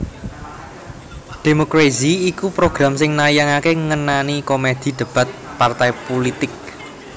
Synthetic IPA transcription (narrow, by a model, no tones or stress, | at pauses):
d̥e̤mokɾeziikupɾoɡ̥ɾa̤msɪŋnajaŋakeŋənanikomed̪̥i̤d̪̥ə̤b̥a̤t̪̚part̪ajpolit̪ɪk̚